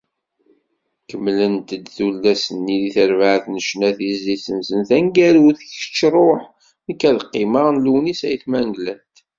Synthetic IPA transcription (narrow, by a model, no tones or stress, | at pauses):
kəmːlənt̪əd̪θulːæsənːiðiθəɾvaʕθnəʃnæθizlisənsənθæŋɡæluθçə̥t͡ʃːɾˤoħ | nəkːæðqːɪmaʁnluwnisæjθmænɡlænt̪